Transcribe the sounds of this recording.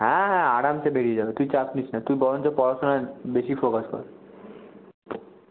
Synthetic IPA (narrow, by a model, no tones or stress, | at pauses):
ɦɛ̃ɦɛ̃aɽamt͡ʃʰebeɽied͡ʑabet̪ujt͡ɕapnit͡ɕʰnat̪ujbɔɾont͡ɕopɔɾaʃonaɾbeʃifokaskɔ̰ɾ